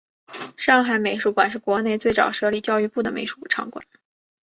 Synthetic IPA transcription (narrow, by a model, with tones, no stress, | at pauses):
ʂɑ˥˩ŋxa˨˧˥ɪme˨˩ɪʂu˧˥kwa˨˩nʂ̬ɻ̩˥˩kwɔ˧˥ne˥˧ɪt͡swe˥˩ɪt͡sɑ̰˨˩ʊʂɤ˥li˨˩t͡ɕjɑ˥˧ʊy˥˧pu˥˩d̪ə˩mḛ˧˥ɪʂu̥˧˥˩ʈ͡ʂʰɑ̰˧˥ŋkwa̰˨˩˦n